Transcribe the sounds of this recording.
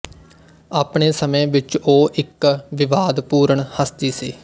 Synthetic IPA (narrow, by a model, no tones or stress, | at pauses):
aːpɳeːsəmẽːʋɪt͡ʃoːʔɪkʋɪʋaːd̪puːɾəɳhəst̪iːsiː